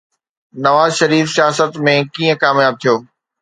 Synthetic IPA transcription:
nɐʋaːzʃɐɾiːfsijaːsət̪mẽkiːə̃kaːmjaːb̚t̪ʰijoː

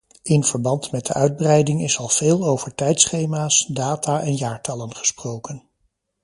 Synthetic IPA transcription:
ɪnv̥əɹbɑntmɛt̚də̰ʔœɥd̚brɛjdɪŋɪsɑlˠv̥eːlˠowvəɹtɛjtsχejmaːsdaːtaːʔɛnjaːɹtɑlənχə̥sprowkən

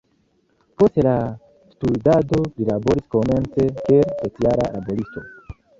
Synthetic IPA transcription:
po̞stela | studado̞lilabo̞ɾisko̞me̞nt͡se̞kelpeklaɾa̰labo̞ɾisto̞̰

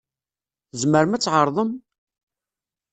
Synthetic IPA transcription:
zməɾmæt͡sːʕəɾˤðˤəm

